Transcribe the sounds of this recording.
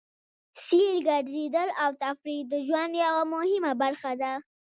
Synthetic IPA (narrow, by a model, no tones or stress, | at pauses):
siɾɡaɖzed̪əlawt̪afɾid̪əʒwand̪jawamʊhɪmabaɾxad̪a